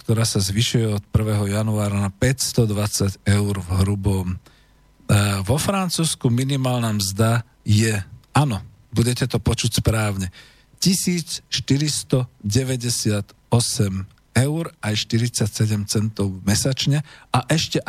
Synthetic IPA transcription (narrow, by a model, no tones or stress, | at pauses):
kt̪ɔɾaːsazʋiʃujɛɔt̪̚pr̩ʋɛːɦɔjanuaːɾanapɛcst̪ɔd̪ʋat͡saɟɛʊɾvɦɾubɔm | ʋɔfɾant͡suːskuminimaːlnamzd̪a | jɛanɔ | buɟɛcɛt̪ɔpɔt͡ʃucspɾaːʊɲɛ | cisiːt͡sʃt̪iɾist̪ɔɟɛʋɛɟɛsɪat̪ | ɔsɛm | ɛʊɾajʃt̪iɾit͡sacsɛɟɛmt͡sɛnt̪ɔʊvmɛsat͡ʃɲɛaʔɛʃcɛʔ